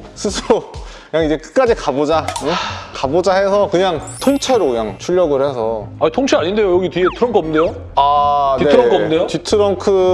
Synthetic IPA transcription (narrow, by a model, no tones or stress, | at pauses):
sʰɯsʰɯɾokɯɲaŋid͡ʑe̞kɯ̥k͈ad͡ʑikabod͡ʑa | kabod͡ʑaɦesʰʌkɯɲaŋtʰoŋt͡ɕʰeɾokɯɲaŋt͡ɕʰuʎːʌɡɯɭhe̞sʰʌaɲitʰoŋt͡ɕʰeaɲinde̞jojʌɡitɥiɡetʰɯɾʌŋkʰɯʌmndejo | anieɯɾʌʌmndejotitʰɯɾʌŋkʰɯ